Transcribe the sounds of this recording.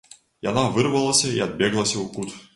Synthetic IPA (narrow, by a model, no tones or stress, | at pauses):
ja̰navɨrvɐlˠɐsʲɐḭɐd̪̚bʲeɡlˠɐsʲɐukut̪